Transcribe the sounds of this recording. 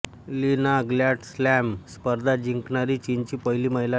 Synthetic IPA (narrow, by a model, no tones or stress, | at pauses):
linaɡljaʈslæmspəɾd̪ʱad͡ʑiŋkɳaɾiːt͡ɕint͡ɕiːpəjliːməɦila